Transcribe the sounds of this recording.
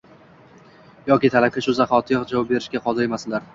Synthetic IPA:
jɒkʲɪt̪ʰalap̚kʲaʃʊzaχɒt̪ʰɪjɒqd͡ʒavɒp̚be̞ɾɪʃkʲaqʰɒd̪ɪɾemasɪlaɾ

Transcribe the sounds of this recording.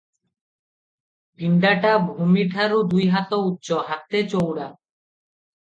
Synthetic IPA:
bʱiɳɖaʈabʱumiʈʰaɾud̪ujɦat̪outːɕoɦak̚t̪et͡ɕowɽa

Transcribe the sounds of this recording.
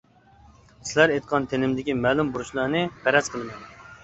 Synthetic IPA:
sɪlæɾejt̪̚qʰɑnt̪ʰenɪmd̪ɪkʲimɛːlˠumbuɾuʃlˠɑɾnɨpʰæɾɛzqʰəlˠɨmɨ

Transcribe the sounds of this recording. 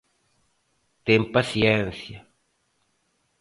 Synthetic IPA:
t̪empasjensja

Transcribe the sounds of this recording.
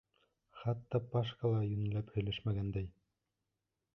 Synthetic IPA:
χɑt̪ːɑpɑʃkɑlˠɑjɵnæ̆læphɵ̆jlɘʃmæɡænd̪æj

